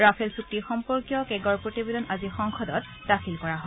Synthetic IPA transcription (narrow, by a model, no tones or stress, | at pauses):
ɹapʰelsuk̚tixɔmpɔɹkjɔkɛɡɔɹpɹotibedɔnʔazixɔŋxɔdɔt | daxilkɔɹaɦɔ